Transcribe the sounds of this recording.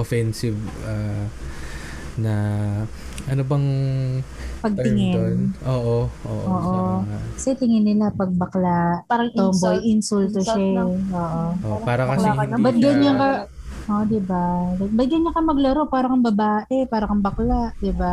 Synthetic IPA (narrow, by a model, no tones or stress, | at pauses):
ʔofɛnsɪvaː | nɐ | ʔɐnobɐŋ | pɐɡ̚t̪ɪŋɪnoʔoːʔoʔo̰ːʔʔoːʔokɐsɛt̪ɪŋɪnːɪlapɐɡ̚bɐklaʔ̪ombojʔɪnsult̪oʃaʔoːʔoopaːɾɐkɐbɐt̪̚ɡɐnɲɐŋkɐ | ʔod̪ɪbalɐbɐt̪̚ɡɐnɲːɐkɐmɐɡloɾopaːɾɐkɐŋbɐbaːʔɛpaːɾɐkɐmbɐklaʔd̪ɪba